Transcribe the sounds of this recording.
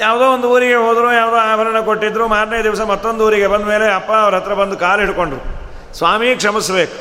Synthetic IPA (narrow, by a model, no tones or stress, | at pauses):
jaːʋd̪oːond̪uuːɾiɡe̞ɦoːd̪ɾujaːʋd̪oːaːbʱɐɾɐɳɐko̞ʈːid̪ːɾumaːɾɳɐjɐd̪iʋɐsɐmɐt̪ːo̞nd̪uuːɾiɡe̞bɐnd̪ɐme̞ːleɐpːɐːʋɐɾɐt̪ɾɐbɐnd̪ukaːliɽko̞ɳɖɾu | sʋaːmikʂɐmisbe̞ːku̥